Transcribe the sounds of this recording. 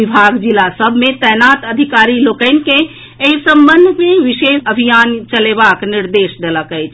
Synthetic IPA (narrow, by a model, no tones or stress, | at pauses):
ibʱaɡd͡ʒilasəbʱmet̪ɛjnat̪əd̪ʱikaɾilokəɪnke | eisə̃mbənd̪ʱmeʋiʃesəbʱijant͡ʃəlebakniɾd̪esd̪eləkət͡ʃʰ